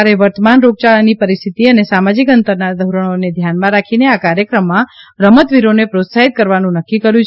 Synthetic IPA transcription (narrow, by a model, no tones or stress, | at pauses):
ɾeʋəɾt̪əmanɾoɡ̚t͡ʃaɭnipəɾist̪ʰit̪iənesamad͡ʒikənt̪əɾnad̪ʱəwɾəɽ̃oned̪ʱjanmãɾakʰineakaɾjəkɾəmːãɾəmət̪ʋiɾonepɾot̪saɦit̪̚kəɾʋanũnəkːikəɾjũt͡ʃʰ